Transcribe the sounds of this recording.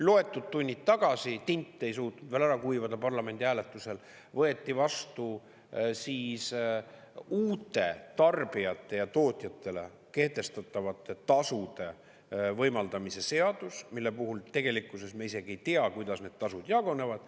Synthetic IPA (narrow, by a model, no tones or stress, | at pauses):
lo̞e̞t̪ːˑud̪̥̚t̪ːunʲːit̪ːɑɡ̥ɑsit̪inʲt̪ːˑe̞jsuːt̪nud̪vælæɾɑkujvɑd̪̥ɑpɑrlɑme̞nʲd̪ʲiæːle̞t̪ːˑuse̞l | vɤ̞e̞t̪ːivɑst̪u | siːs | uːt̪ːˑe̞t̪ɑrb̥iɑt̪ːˑe̞jɑt̪o̞ːt̪ʲˑjɑt̪ːˑe̞le̞̰ | ke̞ht̪e̞st̪ɑt̪ːˑɑvɑt̪ːˑet̪ɑsud̪̥e̞ | vɤ̞jmɑld̪ɑmise̞se̞ɑd̪̥usmilːe̞puɦult̪e̞ɡ̥e̞likːˑuse̞smeise̞ɡ̥iejt̪eɑkujd̪ɑsne̞d̪̚t̪ɑsud̪̥jɑɡ̥o̞ne̞vɑd̪̥